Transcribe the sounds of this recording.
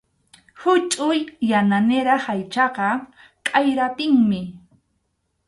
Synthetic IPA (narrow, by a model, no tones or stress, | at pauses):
hʊt͡ʃʼʊjːananeɾahajt͡ʃɑqɑ | kʼajɾap̪ɪŋmɪ